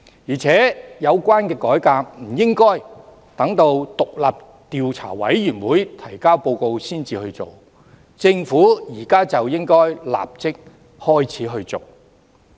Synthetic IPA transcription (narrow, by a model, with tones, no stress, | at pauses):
jiː˨˩t͡sʰɛː˨˥jɐ˨˧wkʷaː˥nkɛː˧kɔː˨˥jkaː˧k̚m̩˨˩jɪ˥ŋkɔː˥j | t̪ɐ˨˥ŋt̪o˧wt̪ʊ˨k̚la̰ː˨p̚ | t̪iː˨wt͡sʰa̰ː˨˩wɐ̰˨˥jːyː˨˩nwuː˨˥jt̪ʰɐ˨˩jkaː˥wpo˧wko˧wsiː˥nt͡siː˧hɵ˧ɥt͡so˨˩w | t͡sɪ˧ŋfuː˨˥jiː˨˩kaː˥t͡sɐ˨wjɪ˥ŋkɔː˥jla̰ː˨p̚t͡sɪ˥k̚ | hɔː˥jt͡sʰiː˨˥ɦɵ˧ɥt͡so˨˩w